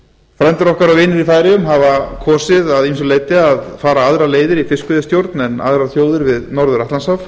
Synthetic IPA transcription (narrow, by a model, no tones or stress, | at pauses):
fɾɛnt̪ɪɾɔhkaɾawvɪːnɪɾifaːjɾɪʏmɦavakʰɔːsɪðaðiminsʏleːjt̪ɪaðfaːɾaaðɾaleːjðɪɾifɪskʏðɪst̪jowɾt̪nɛna̰ðɾaθjoːwðɪɾvɪðnɔɾðʏɾaht̪lansaf